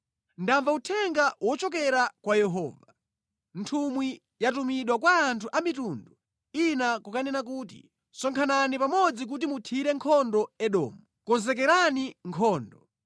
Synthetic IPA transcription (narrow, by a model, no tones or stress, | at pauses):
ndaɱvautʰɛŋɡawɔt͡ʃɔk̬ɛɾakwajɛɦɔːva | ntʰumwi | jatumiɗwakwaːntʰuʔamitundu | inakukanɛnak̬uːtḭ | sɔŋkʰananipamɔd͡zik̬ut̬imutʰiɾɛŋkʰɔndɔɛɗɔ̰ːmu | kɔnzɛkɛɾaniŋkʰɔːndɔ